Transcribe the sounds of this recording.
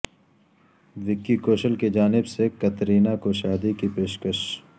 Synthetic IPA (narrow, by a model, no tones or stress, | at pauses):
ʋɪkːikoːʃəlked͡ʒaːnɪbsekɐt̪ɾiːnakoʃaːd̪ikipeːʃkəʃ